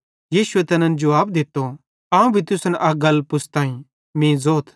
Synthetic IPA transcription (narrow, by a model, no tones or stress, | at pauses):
jiːʃuet̪ɐnə̃nd͡ʒɐaːbd̪ɪt̪ːo | aːũbʱit̪ʊsənʔɐɡɐlːpʊsʰt̪ãːĩ | mĩːzoːt̪ʰ